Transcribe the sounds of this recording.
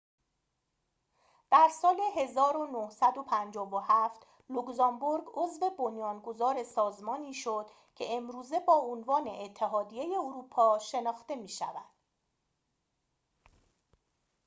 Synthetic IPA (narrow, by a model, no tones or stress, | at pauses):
d̪̥æɾsɒːleɦe̞zɒːɾonohsæd̪o̞pʰænd͡ʒɒːvohæft̪ | lokzɒmboɾɡozve̞bonjɒːnɡo̞zɒːɾe̞sɒːzmɒːniːʃod̪̥ | cʰe̞emɾuːze̞bɒːonvɒːne̞̰ʔːt̪ʰːe̞ɦɒːd̪ijeje̞oɾuːpʰɒːʃe̞nɒːxt̪e̞miːʃæ̰væd̪̥